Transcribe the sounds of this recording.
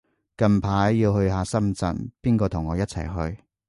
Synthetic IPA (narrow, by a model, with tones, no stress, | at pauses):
kɐ˨˧npʰaː˨˥jːiː˧whɵ˧ɥɦaː˨˧sɐ˥mt͡sɐ̰˨npiː˥nkɔː˧t̪ʰʊ˨˩ŋːɔː˨˧jɐ˥t̚t͡sʰɐ̰˨˩jɦɵ˧ɥ